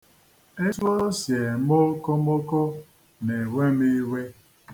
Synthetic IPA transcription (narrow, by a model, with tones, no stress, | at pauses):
e˦so˦sje˨mo˦ko˦mo˦ko˦ | ne˨we˦mi˦we˦